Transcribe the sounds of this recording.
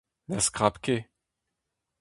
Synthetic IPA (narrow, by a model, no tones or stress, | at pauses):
laskʁapkʲe